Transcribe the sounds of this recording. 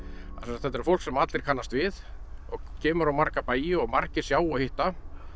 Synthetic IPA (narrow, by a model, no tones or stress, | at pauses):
asɛsat̪θɛt̪ːɛɾfowl̥ksɛmat̪lɪɾ̥kʰanːast̪vɪðɔɣcʰɛːmʏɾawmaɾ̥kapaːjɪɔɣmar̥cɪɾ̥sjaːwɔhɪht̪a